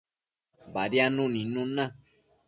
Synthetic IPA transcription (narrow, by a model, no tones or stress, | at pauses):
baɾjanũnĩnũnã